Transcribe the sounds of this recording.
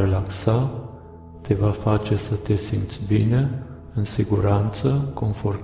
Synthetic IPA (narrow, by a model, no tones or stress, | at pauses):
elaksa | t̪e̞vafat͡ʃe̞sət̪e̞simt̪sʲbine̞ | ɨnsiɡuɾant̪səko̞nfor